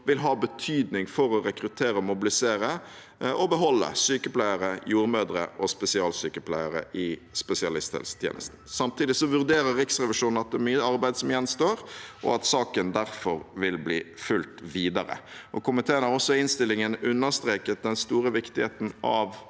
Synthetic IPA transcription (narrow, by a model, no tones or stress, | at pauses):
ʋɪlɦɑːbət̪ʰyːd̪nɪŋfɔɾɔɾɛkɾʉt̪ʰeːɾəɔmʊbɪlɪseːɾə | ʔɔbəɦɔlːə̰syːkəplæɪəɾəjuːɾmøːd̪ɾə̰ʔɔspɛsɪɑːlsyːkəpʰlæɪəɾə̰ʔɪspɛsɪɑlɪst̪hɛ̰lsə̥t̪ʰjḛːnə̰st̪n̩sɑmt̪iːd̪ɪsɔʋʉʁd̪eːɾəɾːɪksʁɛʋɪʂuːnn̩ɑt̪̚d̪ɛːmyːəɑɾbæɪd̪sɔmjɛnst̪oːɾʔɔ̰ɑt̪sɑːkənd̪æɾfɔɾʋɪlbliːfʉlt̪ʋiːd̪ɑɾə̰ʔɔkʊmɪt̪ʰeːənɑʁɔsːɔɪnst̪ɪlːɪŋənʉnːəʁst̪ɾeːkət̪̚d̪ɛnst̪uːɾəʋɪkt̪ɪhḛːt̪n̩ɑʋ